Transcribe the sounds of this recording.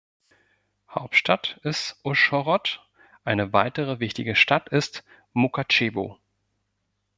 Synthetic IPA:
ha̰ʊp̚tʃtʰatɪstʔʊʃɔʁɔt | ʔaɪnəvaɪtəʁəvɪçtɪɡəʃtatɪst | mukat͡ʃeːbo̰ː

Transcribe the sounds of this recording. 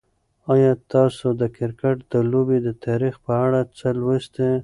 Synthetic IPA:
ɑjɑt̪ɑsod̪əkɪɾkaʈd̪əlobed̪ət̪ɑɾixpəaɽat͡səlwəst̪e

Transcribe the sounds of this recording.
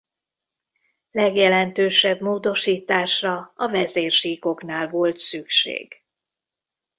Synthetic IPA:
lɛɡjɛlɛnt̪øːʃɛbmoːd̪o̞ʃiːt̪aːʃrɒɒvɛzeːrʃiːko̞kn̪aːlvo̞lt̪sykʃḛːɡ

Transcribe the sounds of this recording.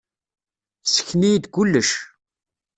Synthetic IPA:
sə̥çnijd̪ɡʷulːəʃ

